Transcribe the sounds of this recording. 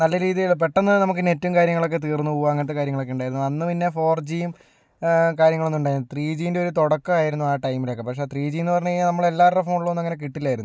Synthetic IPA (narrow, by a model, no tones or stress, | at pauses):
nɐlːɐɾiːðijɐɭp̬eʈːɐnːɨnɐmukːɨnetːuumkaːɾjɐŋːɐɭo̞k̬ːe̞t̪iːrnːuuʋaːŋːɐt̪ːɐkaːɾjɐŋːɐɭo̞kːe̞uɳɖaːjiɾunːuɐnːɨpinːe̞fo̞ːrd͡ʑiːm | kaːɾjɐŋːɐɭonːuɳɖaːjiːnːt̪riːd͡ʑijnde̞o̞ɾut̪oɽɐkːɨaːjiɾunːuaːʈɐjmilokːepɐkʂe̞t̪riːd͡ʑijnːɨpɐrɐɲːɐnɐmːɐɭelːaːrɐfoːɳuɭːɐʋnːɐŋːɐne̞k̬iʈːilːaːjiɾunːu